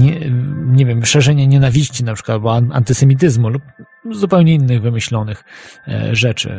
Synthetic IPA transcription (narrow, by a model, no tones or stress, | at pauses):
ɲɛɲɛvʲjɛmʂɛʐɛɲaɲɛnavʲiɕt͡ɕinapʂɘ̥kwabɔa̰nt̪ɘsɛmʲit̪̬ɘzmulup̚ | zupɛwɲɛinːɘɣvɘmɘɕlɔnɘx | ʐɛt͡ʂɘ̰